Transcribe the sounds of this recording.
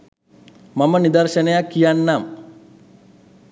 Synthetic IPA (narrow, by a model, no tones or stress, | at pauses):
mamənid̪ɐrʃənəjakːijanːam